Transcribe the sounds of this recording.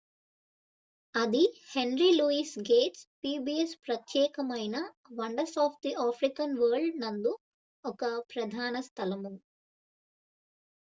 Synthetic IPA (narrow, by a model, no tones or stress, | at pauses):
ɐd̪ihenɾiluːisɡeːʈspiːbiespɾɐt̪jɛːkɐmɐjnɐ | ʋɐɳɖɐɾsaːpʰd̪iaːpʰɾikɐnʋɐːɾɖnɐnd̪u | ɔkɐpɾɐd̪ʱaːnɐst̪ʰɐlɐmu